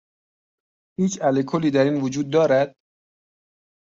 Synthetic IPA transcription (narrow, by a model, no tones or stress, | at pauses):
hiːt͡ʃʰælekʰoliːd̪æɾiːnvod͡ʒuːd̪̚ːɒːɾæd̪̥̚